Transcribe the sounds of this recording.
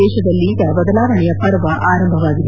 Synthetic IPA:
ɛːʃɐd̪ɐlːiɡɐbɐd̪ɐlaːʋɐɳɛjɐpɐɾʋɐʔaːɾɐmbʱɐʋaːɡid̪e

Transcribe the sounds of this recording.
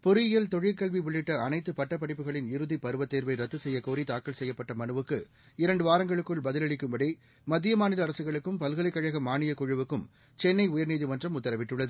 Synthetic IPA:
pʊɾɪɪjɐlt̪ɔɻɪlkɐɭʋiʋʊɭːɪʈːɐɐnɐɪt̪ːɯpɐʈːɐpːɐɽɪpːɯɣɐɭɪnɪɾɯðipɐɾɯʋɐt̪ːeːɾʋɐɪɾɐt̪ːɯsɛjːɐkoːɾit̪aːkːɐɭsɛjːɐpːɐʈːɐmɐnɯʋɯkːɯ | ɪɾɐɳɖɯʋaːɾɐŋɡɐɭɯkːɯɭbɐðɪlɐɭɪkːɯmbɐɽi | mɐd̪ːɪjɐmaːnɪlɐːɾɐsɯɣɐɭɯkːɯmpɐlɣɐlɐɪkːɐɻɐɣɐmːaːɳɪjɐkʊɻɯʋɯkːɯm | t͡ʃɛnːɐɪʊjɐɾniːðiʋɐndrɐmʊt̪ːɐɾɐʋɪʈːɯɭːɐðɯ

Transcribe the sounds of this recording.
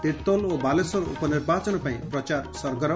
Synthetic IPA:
t̪it̪olobalesɔɾṵpɔnirbʱat͡sɔnɔpaĩprʌt͡ʃarsʌɾɡʌɾɔ

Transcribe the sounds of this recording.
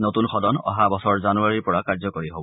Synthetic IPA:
notunxɔdɔnɔ̰ɦabɔsɔɹzanuaɹiɹpɔɹakaɹzɔkoɹiɦobɔ

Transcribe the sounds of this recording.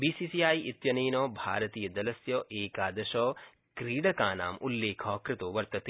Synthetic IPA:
bisisijaːjit̪jɐniːnoːbʱaːɾɐt̪iːjɐd̪ɐlɐsjoːʔeːkaːd̪ɐʃoː | kɾiːɽɐkaːna̰ːmulːeːkʰoːkɾɪt̪uːʋɐɾt̪ɐt̪i

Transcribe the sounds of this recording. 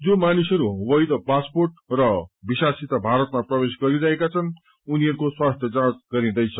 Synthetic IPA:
d͡zomanisʌɾuwʌjd̪ʌpasporʈrʌbisasit̪abʱaɾʌt̪maprʌbesɡʌɾiɾʌɦekat͡sʰʌn | uniʌɾukoswast̪ʰjʌd͡zãt͡sɡʌɾid̪ʌjt͡sʰʌ

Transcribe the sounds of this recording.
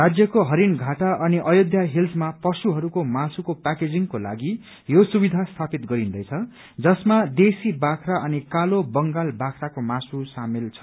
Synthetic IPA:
rad͡zjʌkoɦʌɾinɡʱaʈaʔʌniʔʌjod̪ʱjaɦilsmapʌsuɦʌɾukomasukopaked͡ziŋkola̰ɡi | josubid̪ʱast̪ʰapit̪ɡʌɾind̪ʌjt͡sʰʌ | d͡zʌsmad̪esibakʰɾaʔʌnikalobʌŋɡalbakʰrakomasusamilt͡sʰʌ̥

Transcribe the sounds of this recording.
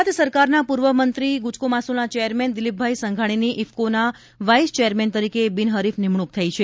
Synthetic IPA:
t̪səɾkaɾnapuɾʋəmənt̪ɾiɡut͡ʃkomasunat͡ʃɛjəɾmɛnd̪ɪlip̚bʱajsəŋɡʱaɽ̃iniʔifkona | ʋajst͡ʃɛjəɾmɛnt̪əɾikebinɦəɾifnimɳ̃uk̚t̪ʰait͡ʃʰe

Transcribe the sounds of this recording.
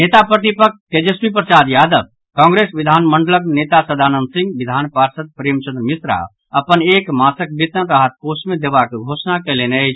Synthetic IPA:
net̪apɾət̪ipəkked͡ʒespipɾət͡ʃaːd̪jaːd̪əb̚ | kɔ̃ŋɡɾesʋid̪ʱaːnməɳɖələkneːt̪asəd̪ʱaːnənd̪sĩŋɡʋid̪ʱaːnpaɾsət̪̚pɾeːmt͡ʃə̃nd̪ɾəmisɾa̰ | əpəneːkmaːsək̚bit̪ənɾaɦət̪̚kosmẽd̪eːʋakɡʱoːsnakelene

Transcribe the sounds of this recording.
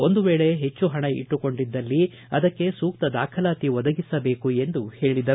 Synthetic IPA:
o̞nd̪uʋeːɭe̞ɦe̞t͡ʃːuɦɐɳɐḭʈːuko̞ɳɖid̪ːɐlːi | ɐ̰d̪ɐkːe̞suːk̚t̪ɐd̪aːkʰɐlaːt̪iʋɐd̪ɐɡisɐbe̞ːkue̞nd̪uhe̞ːɭid̪ɐ

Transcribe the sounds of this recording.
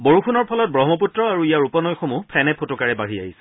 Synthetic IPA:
boɹuxunɔɹpʰɔlɔt̚bɹɔɦmɔp̬utɹɔaɹuijaɹupɔnɔjxomupʰɛnɛpʰotɔkaɹɛbaɹia̰ɦisɛ̥

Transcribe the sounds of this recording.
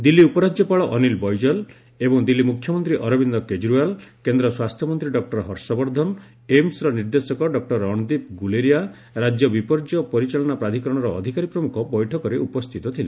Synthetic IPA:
d̪ilːiupɔɾad͡ʒjɔpaɭɔʔɔnilbɔjd͡ʒɔl | ebɔŋd̪ilːimukʰːjɔmɔnt̪ɾiʔɔɾɔbind̪ɔked͡ʒɾualkend̪ɾɔswast̪ʰjɔmɔnt̪ɾiɖɔk̚ʈɔɾɦɔɾsɔbɔɾd̪ʱɔn | emsɾɔniɾd̪esɔkɔɖɔk̚ʈɔɾɔɽ̃ɔd̪ip̚ɡuleɾija | ɾad͡ʒjɔbipɔɾd͡ʒɔpɔɾit͡ʃaɭɔɽ̃apɾad̪ʱikɔɾɔɽ̃ɔɾɔːd̪ʱikaɾipɾɔmukʰɔbɔjʈʰɔkɔɾeupɔst̪ʰit̪ɔt̪ʰilḛ

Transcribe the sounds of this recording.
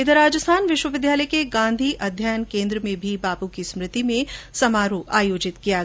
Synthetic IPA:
ɪt̪əɾaːd͡ʒəst̪ʰaːnʋɪʃwəʋɪd̪ʱjaːləjkeɡãːnd̪ʱiʔɐd̪ʱjaːjnkẽːnd̪ɾəmẽbʱibaːpukismɾɪt̪imẽsɐmaːɾuʔaːjoːd͡ʒɪt̪kijaɡ

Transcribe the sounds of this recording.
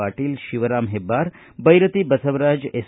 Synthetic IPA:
aːʈiːlʃiʋəɾaːmɦebaːɾ | bɐjɾət̪ibɐsəʋɾaːd͡ʒes

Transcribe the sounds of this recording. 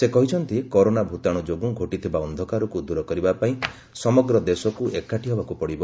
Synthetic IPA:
sekɔɦit͡ʃʰɔnt̪ikɔɾonabʱut̪aɽ̃ud͡ʒoɡuɡʱoʈit̪ʰibaɔnd̪ʱɔkaɾɔkud̪uɾɔkɔɾibapaĩ | sɔmɔɡɾɔd̪esɔkuʔekːaʈiɦɔbakupɔɽibɔ

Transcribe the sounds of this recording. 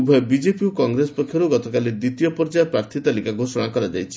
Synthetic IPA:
bʱɔebid͡ʒepiukɔŋɡɾespɔkʰjɔɾuɡɔt̪ɔkaled̪it̪ijɔpɔɾd͡ʒapɾaɾt̪ʰit̪alikaɡʱosɔɽ̃akɔɾad͡ʒa̰jt͡ʃʰi̥

